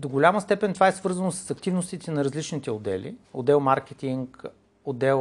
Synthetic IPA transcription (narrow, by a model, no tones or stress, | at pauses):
d̪oɡʊlʲaməst̪ɛpɛnt̪ovaɛsvɤɾzənosɐ̥sɐkt̪ivnost̪it̪ɛnɐɾɐzlit͡ʃnit̪ɛod̪ɛ̰lḭod̪ɛlˠmaɾkɛt̪iŋk | od̪ɛlˠ